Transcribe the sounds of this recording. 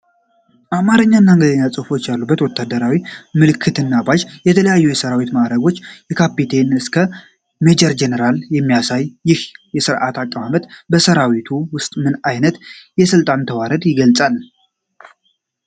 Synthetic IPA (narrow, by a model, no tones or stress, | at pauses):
ʔamaɾəɲːaɨnːaŋɡəd̪əɲːat͡sʼɨhfo̞t͡ʃːjalːubːət̪wɔt̪ʰːad̪əɾawimɨlɨkʰːɨt̪ʰɨnːabaʒjɛt̪ʰələjajːujɛsəɾawit̪maɾəɡo̞t͡ʃːjɛkʰapːit̪ʰe̞nɨskʰə | med͡ʒɛɾd͡ʒɛnəɾaljɛmːijasajːɪhjɛsɨɾʔa̰t̪ʰakʼːəmamət̪bəsəɾawit̪ʰuwʊst̪ʼmɨnajnət̪jɛsɨlt̪ʼant̪ʰəwaɾəd̪jɪɡəlt͡sʼal